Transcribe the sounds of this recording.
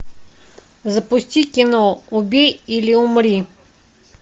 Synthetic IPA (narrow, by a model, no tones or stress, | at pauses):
zəpʊsʲt̪ʲikʲɪnɔʊbʲejilʲɪʊmɾʲi